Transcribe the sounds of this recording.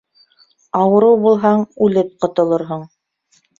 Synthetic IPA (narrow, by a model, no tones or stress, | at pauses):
ɑwɤ̆ɾɤwbulˠɦɑɴʉlɘp̚qŏt̪ŏlˠoɾɦoɴ